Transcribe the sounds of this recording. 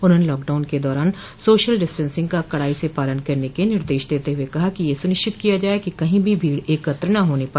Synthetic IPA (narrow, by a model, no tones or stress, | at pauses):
ʊnɦoːnelɔːkɖaːʊnked̪ɔːɾaːn | soːʃəlɖɪsʈə̃nsɪ̃ŋɡkakɐɽaːisepaːlənkɐɾnekenɪɾd̪eːʃd̪eːt̪eɦʊekɐɦakijesʊnɪʃt͡ʃɪt̪kijad͡ʒaːekikɐɦĩbʱibʱiːɽeːkɐt̪ɾənɐɦoːnepaː